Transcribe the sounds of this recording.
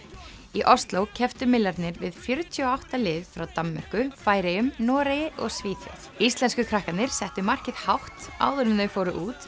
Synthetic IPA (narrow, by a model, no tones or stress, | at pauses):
iʔɔst̪lowcʰɛft̪ʏmɪlːaɾt̪nɪɾvɪðfjœɾt̪ʰiɔawht̪alɪːðfɾawt̪amːœr̥kʏfaːjɾejʏmnɔːɾejɪʔɔ̰ɣsviːθœ̰θ | ist̪lɛnskʏkʰɾahkat̪nɪɾ̥sɛht̪ʏmar̥cɪðhawht̪a̰ːwðʏɾɪmðœfoːwɾʏʔuːt̪